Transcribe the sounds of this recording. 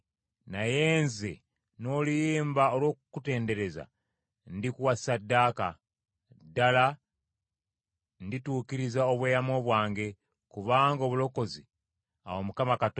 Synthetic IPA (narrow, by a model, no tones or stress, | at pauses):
naje̞ːnzḛ | no̞ːlijeːmbaolwo̞ːkkute̞ːnde̞ɾe̞za̰ | ndikuwasadːaːka | dːala | ndituːkiɾizaoβweːjamo̞ːβwaːŋɡe̞ | kuβaːŋɡo̞βulo̞ko̞zi | a̰womukamakat